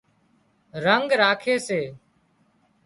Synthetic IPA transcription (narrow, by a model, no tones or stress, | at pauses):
ɾəŋɡɾaːkʰeːseː